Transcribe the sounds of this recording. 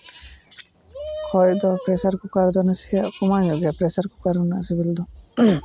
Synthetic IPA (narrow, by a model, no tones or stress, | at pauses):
kʰɔjd̪ɔpɾesaɾkukaɾd̪ɔnesijaʔkɔmanɔɡjapɾesaɾkukaɾunːasibild̪ɔ